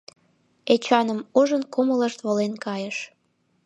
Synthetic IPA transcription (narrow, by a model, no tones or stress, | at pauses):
et͡ɕɑnəmuʒənkomələʃt̪βolenkɑjəʃ